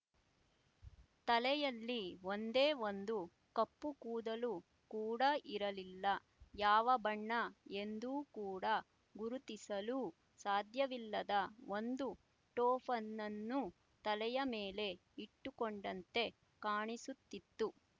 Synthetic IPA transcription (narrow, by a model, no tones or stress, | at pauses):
t̪ɐlɛjɐlːio̞nd̪eːo̞nd̪u | kɐpːukuːd̪ɐlu | kuːɽɐʔiɾɐlilːɐ | jaːʋɐbɐɳːɐe̞nd̪uːkuːɽɐ | ɡuɾut̪isɐluː | saːd̪ʱjɐʋilːɐd̪ɐʔo̞nd̪u | ʈɔːpʰɐnːɐnːu | t̪ɐlɛjɐmeːle̞ | iʈːukoɳɖɐnt̪e̞ | kaːɳisut̪ːit̪ːu